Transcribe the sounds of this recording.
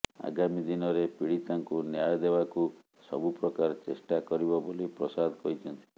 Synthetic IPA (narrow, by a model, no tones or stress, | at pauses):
a̰ɡamid̪inɔɾepiɽit̪aŋkunjajɔd̪ebaku | sɔ̰bupɾɔkaɾɔt͡ʃesʈakɔɾibɔbolipɾɔsad̪kɔɦit͡ʃʰɔnt̪ʰi̥